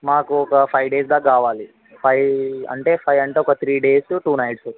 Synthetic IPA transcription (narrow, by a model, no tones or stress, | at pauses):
maːkuɔkɐpʰɐjɖeːsd̪aːkaːʋaːli | pʰɐjɐ̰ɳʈeːpʰɐjɐɳʈeɔkɐt̪ʰɾiːɖeːsʈuːnɐjʈs